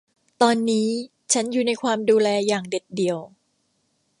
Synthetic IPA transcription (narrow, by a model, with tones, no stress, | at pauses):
t̪ɔː˧nːiː˦˥ | t͡ɕʰa˦˥njuː˨˩na˧jkʰwaː˧mduː˧lɛː˧jaː˨˩ŋde˨˩t̪̚di˨əw